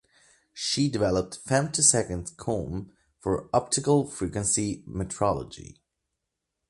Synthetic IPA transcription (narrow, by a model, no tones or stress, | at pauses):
ʃidɨvɛlˠəp̚tfɛ̃mtʰɨsɛkɨ̃ndz̥kʰõm | fə˞ɑp̚tʰɨkəl̩ˠfɹikwə̃nsimɨtʰɹɑlˠə̰d͡ʒḭ